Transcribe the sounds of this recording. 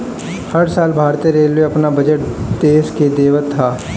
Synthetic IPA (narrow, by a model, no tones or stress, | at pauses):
hɐɾsaːlbʱaːɾt̪eɾeːleɐpnabɐd͡ʒəʈ̚d̪eːsked̪eːʋət̪ʰːaː